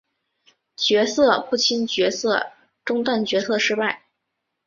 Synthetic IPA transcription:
t͡ɕɥɛ˧˥sɤ˥˧pu˥˩t͡ɕʰi˥nt͡ɕɥɛ˧˥sɤ˥˧ | ʈ͡ʂʊ˥ŋt̪wa˥˩nt͡ɕɥɛ˧˥sʰɤ˥˧ʂɻ̩˥pa˥˩ɪ

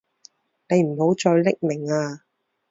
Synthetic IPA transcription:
ne˨˧jm̩˨˩ho˨˥wt͡ʃɔː˧jlɪ˥k̚mɪ˨˩ŋaː˧

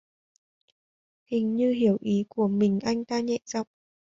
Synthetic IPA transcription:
hï˨˩ŋ̟ɲɨ˧ɦi˧˩əwʔi˨˦ku˧˩əmï˨˩ŋ̟ʔa˧jŋ̟t̪aː˧ɲɛ̰˧˨za˧˨wŋ͡m̚

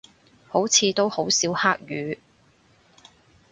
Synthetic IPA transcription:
ho˨˥wt͡sʰiː˨˧t̪o˥who˨˥wsiː˨˥whaː˥k̚jyː˨˧

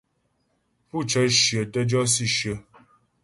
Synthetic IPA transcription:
pu˦˨t͡ʃə˨˦ʃjə˨tə˦d͡ʒɔ˦si˦˨ʃə˨˦

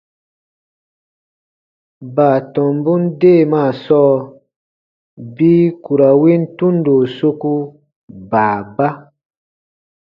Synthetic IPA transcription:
baː˨tɔ̃˨mbu˦ndeː˦˨maː˦˨sɔː˦ | biː˦ku˨ɾa˨wi˦n̩˦tũ˦n˦do˨so˦ku˦ | baː˨ba˦

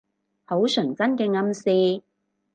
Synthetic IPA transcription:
ho˨˥wsœ˨˩ŋkɐ˥nkɛː˧ŋɐ˧msiː˧

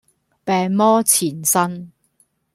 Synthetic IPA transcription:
pɛː˨˧ŋmɔː˥t͡sʰiː˨˩nsɐ˥n

